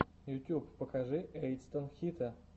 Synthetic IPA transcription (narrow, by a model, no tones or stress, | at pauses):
jʊt̪ʲjuppəkaʐɨʔejt̪st̪onxʲit̪ʰə